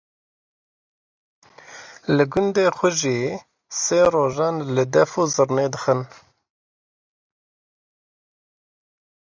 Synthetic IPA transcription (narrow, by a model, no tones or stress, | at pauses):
lɨɡʊnd̪eːxʷəʒiː | seːɾoːʒaːnlɨd̪ɛfoːzɨɾneːd̪ɨxən